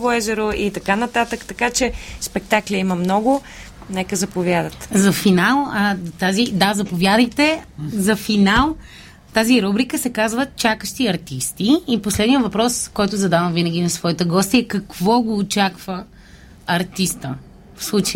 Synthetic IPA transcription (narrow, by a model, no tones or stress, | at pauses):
voɛʒɛɾoʔit̪ɐkanɐt̪at̪əkt̪ɐkat͡ʃɛspɛk̚t̪akliimɐmnɔɡʊ | nɛkəzɐpovʲjad̪ət̪zɐfinalˠət̪azid̪azɐpovjad̪əjt̪ɛzɐfinalˠ | t̪aziɾubɾikəsɛkazvət͡ʃakəʃt̪iɐɾt̪ist̪iːposlɛd̪nijəvɐpɾɔskɔjt̪ʊzɐd̪avɐmvinəɡ̟inɐsvɔit̪əɡɔst̪ɛkɐkvɔɡoːt͡ʃakv̥ə | ɐɾt̪ist̪ə | fslˠut͡ʃ